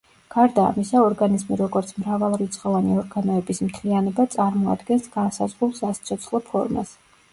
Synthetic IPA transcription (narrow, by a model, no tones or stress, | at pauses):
ɡ̥aɾd̪a̰ːmisaɔɾɡanizmiɾɔɡɔɾt̪sʰmɾavalˠɾit̪sʼχʼɔvaniɔɾɡanɔɛbismt̪ʰlianɛbat̪sʼaɾmɔa̰d̪ɡɛnsɡ̥ansazʁɾulˠsast̪sʰɔt̪sʰχlˠɔpʰɔ̰ɾma̰s